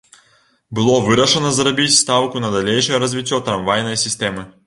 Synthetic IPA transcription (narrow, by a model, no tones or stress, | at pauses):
bɨlˠɔvɨɾɐʂənɐzɾɐbʲitʲst̪awkʊnɐd̪ɐlʲejʂɨjəɾɐzʲvʲitʲːɔt̪ɾɐmvajnəjsʲɪsʲtʲemɨ